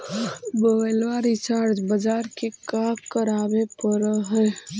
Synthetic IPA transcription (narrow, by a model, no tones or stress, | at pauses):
bəəlʋaːɾit͡ʃaːɾd͡ʒbəd͡ʒaːɾkekaːkəɾaːbepəɾɦɛː